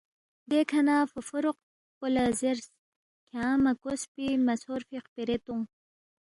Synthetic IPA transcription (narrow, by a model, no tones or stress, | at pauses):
d̪ekʰɐnaːfufuɾuq̚ | kolaziɾs | kʰãːmɐkospimɐsoɾfiqpiɾet̪uŋ